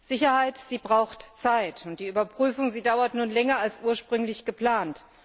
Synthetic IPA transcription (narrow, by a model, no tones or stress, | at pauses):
z̥ɪçɐhaɪtz̥iːbʁaʊxtt͡saɪtʊntd̥iːʔyːbɐpʁ̥yːfʊŋziːdaʊɐtnuːnlɛŋɐalsʔuːɐʃpʁ̥ʏŋlɪçɡ̥əpl̥aːnt